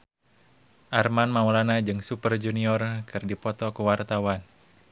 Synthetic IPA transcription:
ʔarmanmaulanad͡ʒɨŋsupərd͡ʒuniɔrkɨrdipɔt̪ɔkəwart̪awan

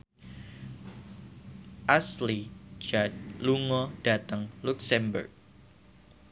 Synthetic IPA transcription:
ʔasli̥d͡ʒad̚luŋɔɖ̥at̪əŋluksɛmbə̰rk̚

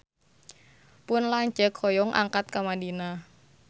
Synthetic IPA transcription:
pʊnlaɲd͡ʒəkʰɔjɔŋʔa̰ŋkat̪̚kamadina

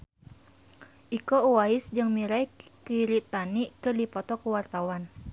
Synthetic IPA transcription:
ʔikouwaɪsd͡ʒɨŋmiɾajkiɾit̪anikɨrdipɔt̪ɔkəwart̪awan

